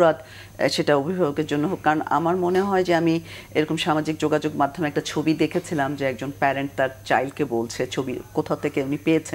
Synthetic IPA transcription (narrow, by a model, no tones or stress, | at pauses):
ɾad̪ | ʃeʈaobʱibʱabokeɾd͡ʑonːoɦokkaɾona̰maɾmoneɦɔed͡ʑeami | eɾɔkomʃamad͡ʑik̚d͡ʑoɡad͡ʑoɡmad̪ʱːomeɛk̚ʈat͡ɕʰobid̪ekʰet͡ɕʰilamd͡ʑeɛk̚d͡ʑonpɛɾeɳʈ̚t̪aɾt͡ɕa̰jlkebolt͡ɕʰet͡ɕʰobikot̪ʰat̪ʰekeunipejet͡ɕʰen